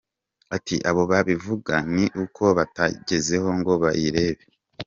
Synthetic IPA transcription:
atʰḭʔaβo̞βaβivuɡaniʔukʰo̞βataɟe̞ze̞ho̞ŋɡo̞βajiɾe̞ːβe

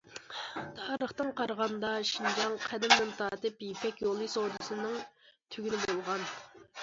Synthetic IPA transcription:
t̪ʰɑːɾəχt̪ɨŋqɑɾʁɑnd̪ɑʃind͡ʒɑŋqʰæd̪ɪmnɪnt̪ʰɑːt̪ɨpjipɛkʲjolˠisod̪ɨsɨnɨŋt̪ʰyɡʲinɪbolˠʁɑn

